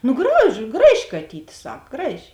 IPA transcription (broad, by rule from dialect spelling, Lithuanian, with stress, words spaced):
ˈnʊ ɡrɐʃ ˈɡrɑːˌʒʲɪ kɐˈtʲiːtʲ ˈsɐk ˈɡrɑːˌʒʲɪ